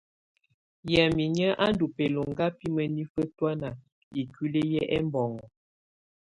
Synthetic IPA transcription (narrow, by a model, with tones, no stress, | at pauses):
ja˨mi˨ɲə˦ʔa˦n˦du˨pɛ˨lo˨ŋɡa˦pi˦mə˨ni˦fə˦twa˦na˨ | i˨ki˦le˦jɛ˦ʔɛ̰˦m˦bɔ˨ŋɔ˨